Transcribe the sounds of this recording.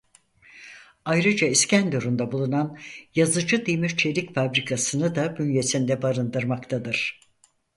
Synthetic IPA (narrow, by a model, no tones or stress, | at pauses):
ajɾɯd͡ʒaiscænd̪oɾund̪abulˠunanjazɯd͡ʒɯd̪ijmyt͡ʃʰelʲicfabɾikʰasɯnɯd̪abynje̞sind̪ɛbaɾɯnd̪ɯɾmakt̪ʰad̪ɯɾ̥